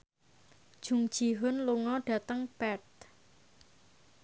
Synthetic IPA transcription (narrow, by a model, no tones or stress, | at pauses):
d̥ʒ̥ṳŋd̥ʒ̥i̤ɦʊnluŋɔɖ̥a̤t̪əŋpɛt̪̚